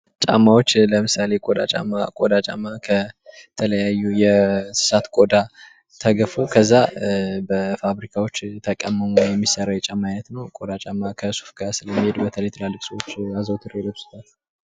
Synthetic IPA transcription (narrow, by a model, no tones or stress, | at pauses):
t͡ʃʼa̰mːawo̞t͡ʃːləmɨsale̞kʼod̪a̰t͡ʃʼa̰mːakʼod̪at͡ʃʼa̰mːakʰət̪ʰələjajːujɛsɨ̥sat̪kʼod̪a | t̪ʰəɡəfukʰəzːabəfaβɾikʰawo̞t͡ʃːt̪ʰəkʼəmːəmujɛmːisəɾajɛt͡ʃʼamːajnət̪nəwkʼo̞d̪at͡ʃʼamːakʰəsu̥fɡasɨləmːihe̞d̪bət̪ʰələjt̪ʰəlalːɨksəwot͡ʃːazəwt̪ʰɨred̪əbsɨ̥t̪ʰal